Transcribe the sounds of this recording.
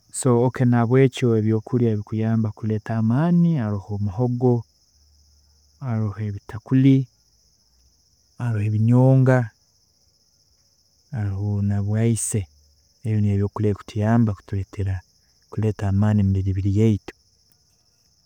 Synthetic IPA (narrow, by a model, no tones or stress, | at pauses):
so̞ːkenaβwe̞ːco̞eβjo̞ːkʰuɾjaβikujaːmbakule̞ːtaːmaːniaɾuhomuɦo̞ɡo̞ | aɾohe̞βitʰakuli | aɾoheβiɲoːŋɡa | aɾuhonaβwaise | eβjoneːβjo̞ːkuleku̥tʰujaːmbaku̥tuletʰeɾa | kuleːtaːmaːnimuɾiɾiβiɾijeito̥